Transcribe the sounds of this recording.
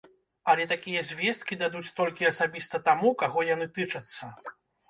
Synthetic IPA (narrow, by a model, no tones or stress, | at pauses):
ɐlʲɛt̪akʲijɐzʲvʲɛst̪̚kʲid̪ad̪ut͡sʲt̪ɔlʲkʲiɐsabʲist̪ɐt̪amukaɣɔjanɨpʲit͡ʂɐt̪sːɐ